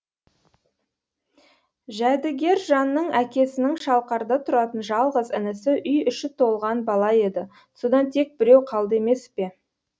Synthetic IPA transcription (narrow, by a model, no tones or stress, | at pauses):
ʒæd̪ɪɡʲe̞ɾʒɑnːəɴækʲe̞sɪnɪŋʃɑlˠqɑɾd̪ət̪ʰʊɾɑt̪ənʒɑlˠʁəzɪnɪsɪʔʏjʏʃɪt̪ʰo̞lˠʁɑnbɑlˠɑe̞d̪ɪ | so̞d̪ɑnt̪ʰe̞k̚bɪɾe̞wqʰɑlˠd̪əe̞me̞spe̞